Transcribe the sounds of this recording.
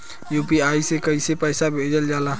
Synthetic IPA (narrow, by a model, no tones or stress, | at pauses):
juːpiaːisekəisepəːsabʱeːd͡ʒəld͡ʒaːlaː